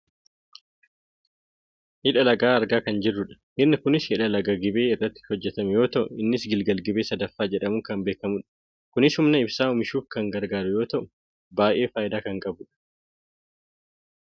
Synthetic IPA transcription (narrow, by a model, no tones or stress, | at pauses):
hɪᶑɐlɐɡaːɐɾɡaːkɐnd͡ʒɪrːʊᶑɐ̥hɪɾnɐkʊnɪshɪᶑɐlɐɡɐɡɪbe̞ːɪrːɐt̪ːɪ̥ɔd͡ʒːɛt̪ɐmɛjo̞ːt̪ɐʔʊɪnːɪsɡɪlɡɐlɡɪbe̞ːsɐd̪ɐfːaːd͡ʒɛᶑɐmʊŋkɐmbe̞ːkɐmʊᶑɐ̥ | kʊnɪshʊmnɐɪbsaːʊmɪʃuːfkɐŋɡɐɾɡaːɾʊjo̞ːt̪ɐʔʊ | baːʔe̞ːfaːʔɪd̪aːkɐŋkʼɐbʊᶑɐ̥